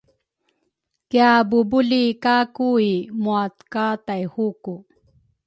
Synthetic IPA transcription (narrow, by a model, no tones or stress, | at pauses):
kjabubulikakuimuat̪kat̪ajhuku